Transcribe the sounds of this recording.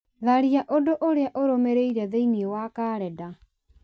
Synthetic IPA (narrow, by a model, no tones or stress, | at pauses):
ðaɾiaʔodoʔoɾeaʔoɾomeɾeiɾɛðeiniewakaːɾɛda